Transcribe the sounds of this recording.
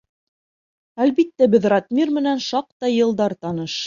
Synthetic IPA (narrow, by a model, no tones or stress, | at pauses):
ælbit̪ːæbɘðrɑt̪mʲirmɘ̆nænʃɑq̚t̪ɑjɤ̆lˠd̪ɑɾt̪ɑnɤʃ